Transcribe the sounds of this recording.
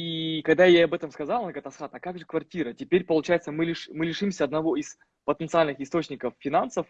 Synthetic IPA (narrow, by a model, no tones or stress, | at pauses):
ikɐɡd̪ajaɐbɛt̪əmskɐzalˠnəɡət̪ɐsxat̪ɐkaɡʐɨkvɐrtʲiɾətʲɪpʲeɾʲpəlˠʊt͡ɕajɪt̪səmɨlʲɪʂmɨlʲɪʂɨmsʲəɐd̪nɐvo̞ɪs | pət̪ənt̪sɨalʲnɨxɪst̪o̞t͡ɕnʲɪkəfːʲɪnansəf